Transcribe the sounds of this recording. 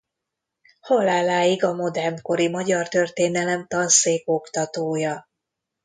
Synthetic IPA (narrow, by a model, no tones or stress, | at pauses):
holaːlːaːjiɡɒmo̞d̪ɛrmko̞ɾimɒɟɒrt̪ø̞rt̪eːnɛlɛmt̪ɒnseːko̞kt̪ɒt̪oːjɒ